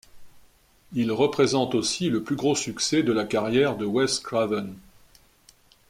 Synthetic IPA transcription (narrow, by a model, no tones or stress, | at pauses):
ilʁəpχezɑ̃t̪osiləplyɡʁosyksɛd̪əlakaʁjɛʁd̪əwɛst̪kʁavɛn